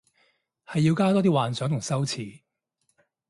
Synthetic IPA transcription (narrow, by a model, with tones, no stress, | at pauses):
hɐ˨jːiː˧wkaː˥t̪ɔː˥t̪iː˥waː˨nsœː˨˥ŋt̪ʰŋsɐ˥wt͡sʰiː˨˩